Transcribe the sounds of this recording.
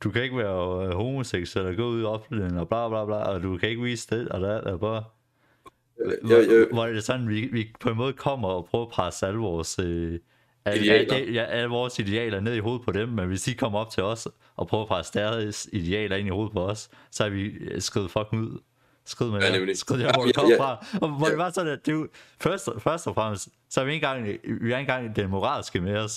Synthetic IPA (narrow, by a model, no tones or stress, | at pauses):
d̥ukʰæe̝ɡ̥ʋæːɐɦo̝ːmo̝seɡ̥suel̰ɒɡ̥ɔ̰̽ːuðˠɒ̽b̥leŋɒb̥lɑ̈ːb̥lɑ̈ːb̥lɑ̰̈ːɒ̽d̥ukʰæe̝ɡ̥ʋḭːsd̥eɒ̽d̥ædæb̥ɑ̈ː | ʋɒd̥esɒ̽nn̩ʋiʋipʰɒ̽e̝nmɔ̽ːð̩ˠkʰɒ̽m̰ɐɒpʰʁœːʊɐpʰʁɑsəæləʋɒːsø | ææd̥jæʔæləʋɒːsid̥e̝ɛ̰ːlɐne̝ð̞ˠiɦo̝ːð̞̩ˠpʰɒ̽ɾ̥emːenʋe̝sd̥ikʰɒ̽m̰ɐɒ̽b̥̚t͡sʰe̝lɒ̽s | ʔɒ̽pʰʁœʊɐpʰʁɑsəd̥æɐðˠsid̥e̝ɛ̰ːlɐe̝niho̝ːð̞̩ˠpʰɒ̽ɒ̽sː | ɒ̽hɑ̈ʋisɡ̥ʁið̞̩ˠfɒ̽ɡ̥n̩uð̞̰ˠ | sɡ̥iðˠmæsɡ̥ʁiðˠæɒɒmfʁɑ̈ʋɒd̥e̝ʋɑ̈sɒ̽næd̥e̝fɶɐsd̥fɶɐsd̥ɒfʁam̰sd̥ | sɒ̽hɑʋie̝nɡ̥ɑ̈ŋ̰ʋiæɐe̝nɡ̥ɑ̈ŋ̰d̥emo̝ʁɑ̰̈ːlsɡ̥əmeɒ̽s